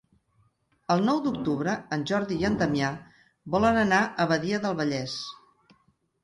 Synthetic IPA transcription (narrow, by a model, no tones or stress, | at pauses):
əlˠnɔwd̪uk̚t̪uβɾəːnʲʒɔɾðiːənt̪əmia | bɔlənənaʔəβəðiəðəlˠβəʎɛs